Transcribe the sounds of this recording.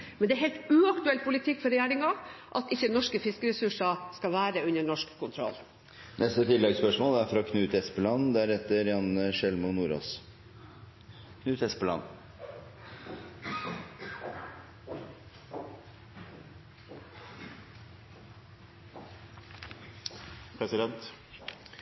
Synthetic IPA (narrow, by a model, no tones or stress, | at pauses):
mɛnd̪ɛæɾɦɛɪlt̪ʉːɑkt̪ʉɛlt̪pʰʊlɪt̪ʰɪkːfɔɾɛjæːɾɪŋɑʔɑt̪ɪçːənɔʂkəfɪskəɾɛsʉʂɑskɑʋæːɾəʉnəɳɔʂkkʊnt̪ʰɾɔ̰lː | nɛst̪ət̪ʰɪlːɛɡspœʂmoːlæɾfɾɑkʰnʉːt̪ɛspəlɑnːd̪ɛæɾɛt̪ːəɾjɑnʂɛlmʊnuːɾo̰ːs | kʰnʉːt̪ɛspəlɑ̰nː | pʰɾɛsɪd̪ɛnt̪